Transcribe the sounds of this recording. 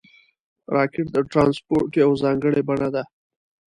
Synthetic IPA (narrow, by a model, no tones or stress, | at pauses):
ɾɑkɪʈ̚d̪əʈɾɑnspoɾʈiawzɑŋɡəɽebaɳad̪a